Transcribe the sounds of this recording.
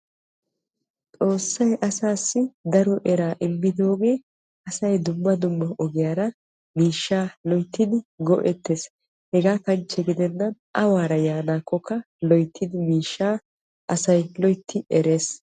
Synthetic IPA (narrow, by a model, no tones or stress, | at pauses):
t̪ʼo̞ːsːɐjʔɐsaːsːɪd̪ɐɾɔʔɛɾaːʔɪmːɪd̪o̞ːɡe̞ː | ɐsɐjd̪ʊmːɐd̪ʊmːɐʔɔɡɪjaːɾɐ | miːʃːaːlɔjt̪ːɪd̪ɪɡɔ̰ʔɛt̪ːeːs | hɛɡaːkɐnt͡ʃːɛɡɪd̪ɛnːɐnʔɐwaːɾɐjaːnaːkːɔkːɐ | lɔjt̪ʰːɪd̪ɪmiːʃːaː | ʔɐsɐjlɔjt̪ʰːɪɛɾe̞ːs